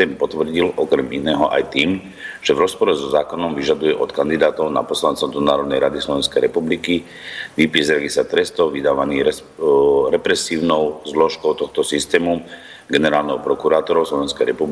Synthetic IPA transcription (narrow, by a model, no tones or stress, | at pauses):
ɛːmpɔt̪ʋr̩ɟilʔɔkɾɛminɛːɦɔʔa̰jt̪iːm | ʒ̥ɛvɾɔspɔɾɛzɔzaːkɔnɔmʋiʒad̪ujɛʔɔt̪kand̪id̪aːt̪ɔʊna̰pɔslant͡sɛd̪ɔnaːɾɔd̪nɛjɾad̪islɔʋɛnskɛjɾɛpubliki | ʋipiɛzɾɛɡisat̪ɾɛst̪ɔʋid̪aːʋaniːɛ | ɾɛpɾɛsiːʊnɔʊzlɔʃkɔʊt̪ɔxt̪ɔsist̪ɛːmu | ɡɛnɛɾaːlnɛɦɔʊpɾɔkuɾaːt̪ɔɾɔʊslɔʋɛnskɛjɾɛpubi